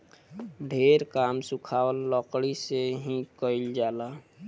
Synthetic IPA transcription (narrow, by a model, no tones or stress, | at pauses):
ɖʱeɾkamsũkʰawəlːəkɽiseɦĩkəɪld͡ʒala